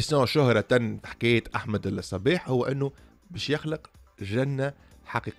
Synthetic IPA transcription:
sjõːʃʊhɾˤɑt̪ænːħḁkæːjɪt̪ʔaħmæd̪sˤːɑbiːħhʊwːæʔɪnːu | bɛːʃjɪxləq | ʒænːa | ħaqiːq

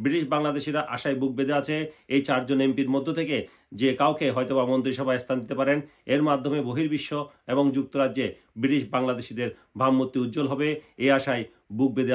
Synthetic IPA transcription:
bɾiɾiʃbaŋlad̪eʃiɾaʔaʃajbuk̚bed̪eat͡ɕʰeejt͡ɕaɾd͡ʑonempiɾmod̪ʱːot̪ʰeke | d͡ʑekawkʰeɦɔjt̪obamont̪ɾiʃɔbʱaest̪ʰand̪it̪epaɾen | eɾmad̪ʱːomeboɦiɾbiʃːo | eboŋd͡ʑuk̚t̪oɾadːd͡ʑe | bɾiɾiʃbaŋlad̪eʃid̪eɾ | bʱamːot̪ːiut̪̚ːd͡ʑolɦɔbeeaʃaj | buk̚bed̪e

